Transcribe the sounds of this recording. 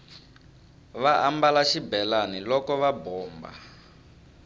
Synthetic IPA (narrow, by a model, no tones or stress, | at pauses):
βaʔambalaʃibɛlanilɔkɔβabɔːmba̰